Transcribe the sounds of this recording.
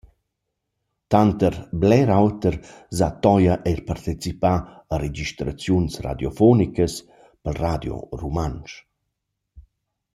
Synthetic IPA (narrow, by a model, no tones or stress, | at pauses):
t̪ant̪əɾblɛɾawt̪əɾzat̪ɔjəʔɛɾpaɾt̪it͡sipaəɾed͡ʒiʃt̪ɾat͡sjunsra̰d̪jɔfɔnikəs | pəlrad̪jo̰rumant͡ʃ